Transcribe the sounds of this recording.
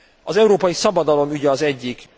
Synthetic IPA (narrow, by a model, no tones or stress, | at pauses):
ɒzɛuɾoːpɒjisɒbɒd̪ɒlo̞myɟɛɒzɛɟːik